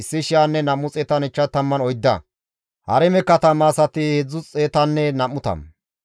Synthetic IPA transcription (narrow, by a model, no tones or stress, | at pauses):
ɪsːɪʃɪjanːɛnɐmːʊt͡sʼeːt̪ɐnɛt͡ʃːɐt̪ɐmːɐnɔjd̪ːɐ̰ | hɐ̰ɾɛmɛkːɐt̪ɐmːaːsɐt̪ɪhed͡zːʊt͡sʼeːt̪ɐnːɛnɐmːʊt̪ɐ̰m